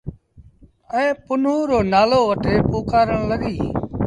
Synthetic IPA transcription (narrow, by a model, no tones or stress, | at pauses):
ə̃ːpʊnũːɾoːnaːloːʋəʈʰeːpuːkaːɾəɳləɡiː